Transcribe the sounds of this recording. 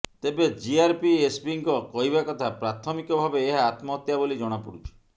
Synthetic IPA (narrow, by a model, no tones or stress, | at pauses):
t̪ebed͡ʒiaɾpiesbiŋkɔkɔɦibakɔt̪ʰapɾat̪ʰɔmikɔbʱabeːɦaːt̪mɔt̪jabolid͡ʒɔɽ̃ɔpuɽut͡ʃʰɔ̥